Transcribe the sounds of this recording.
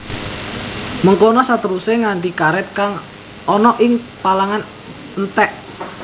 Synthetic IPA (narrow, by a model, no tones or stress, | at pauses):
məŋkonɔsat̪əɾuseŋant̪ikaɾɛt̪̚kaŋ | ɔnɔʔɪŋ | palaŋan | nt̪ɛʔ